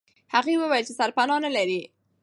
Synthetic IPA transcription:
haɣewəwajəlt͡ʃesaɾpanɑnalaɾi

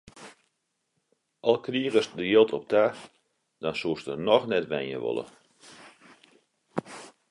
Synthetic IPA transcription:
ʔɑlˠkriəɣəsdəjɪlˠtʰɔp̚tʰaː | d̥ɔnsuəstərnɔxnɛtʋɛnjə̰ʋɔ̰lˠə̰

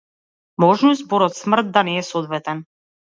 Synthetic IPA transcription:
mɔʒnɔzbɔɾɔt̪smr̩t̪̚d̪anɛːsɔd̪vɛt̪ɛn

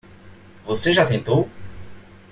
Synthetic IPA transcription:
voseʒat̪ɛ̃t̪o

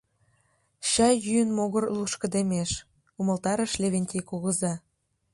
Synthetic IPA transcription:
ɕɑjːyjənmoɣərluʃkə̆d̪emeʃ | uməlt̪ɑɾə̆ʃlʲeβenʲtʲikuɣə̆zɑ

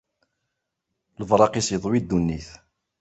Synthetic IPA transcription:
ləvɾˤɑqisjðˤwid̪ːunːiθ

